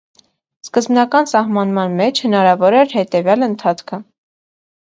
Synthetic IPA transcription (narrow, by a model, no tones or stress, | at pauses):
skəzbnɑkɑnsɑhmɑnmɑnmɛt͡ʃʰhənɑɾɑvɔɾɛɾhɛt̪ɛvjɑlənt̪ʰɑt͡sʰkʰə